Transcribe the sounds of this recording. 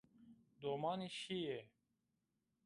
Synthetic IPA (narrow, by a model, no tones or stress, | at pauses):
d̪oːmaːniɕie